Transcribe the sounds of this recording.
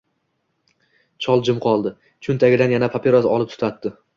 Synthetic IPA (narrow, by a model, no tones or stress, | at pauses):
t͡ʃʰɒlˠd͡ʒɪmqʰɒlˠd̪ɪ | t͡ʃʰʊnt̪ʰaɡʲɪd̪anjanapʰapʰeɾasɒlˠɪp̚t̪ʰʊ̥t̪ʰat̪ːɪ